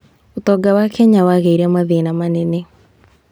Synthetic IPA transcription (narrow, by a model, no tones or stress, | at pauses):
ot̪ɔːɡawakʰɛɲawaɣeiɾɛamaðeːnamanɛne